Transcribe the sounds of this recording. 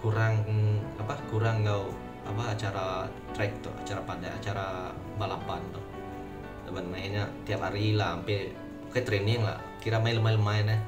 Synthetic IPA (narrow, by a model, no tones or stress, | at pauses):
kuɾaŋapakuɾaŋːaw | apaat͡ʃaɾa | t̪ɾɛk̚t̪ʊ̰ha̰t͡ʃaɾapada̰a̰t͡ʃaɾa | balapant̪ʊh | dabanmajɲat̪iaphaɾilahampɛ | bukat̪ɾenɪŋla̰ʔ | kiɾamailəmajləmajnɛh